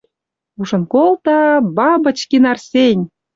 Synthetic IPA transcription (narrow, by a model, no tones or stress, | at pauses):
uʃɤ̆nkolt̪ɑbɑbə̆t͡ɕkinɑrsʲenʲ